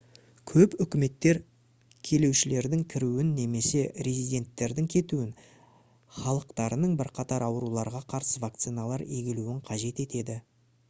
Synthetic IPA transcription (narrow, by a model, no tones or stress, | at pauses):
kʲʰɵpʏkʲɪme̞t̪ːe̞ɾ | kʲʰe̞le̞wʃɪle̞ɾd̪ɪŋkʲʰɪɾuwɪnːe̞me̞se̞ɾezijd̪ʲe̞nt̪ːe̞ɾd̪ɪŋkʲʰe̞t̪uɪn | χɑlˠəqt̪ɑɾənəɴbɪɾqʰɑt̪ɑɾɑwɾulˠɑɾʁɑqʰɑɾsəvak̚t̪sijnalˠɑɾeɡʲɪluɪɴqʰɑʒe̞t̪e̞t̪e̞d̪ɪ